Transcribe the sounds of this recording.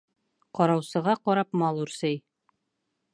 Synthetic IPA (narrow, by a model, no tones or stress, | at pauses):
qɒɾɑwsɤ̆ʁɑqɒɾɑpmɑlˠuɾsɘj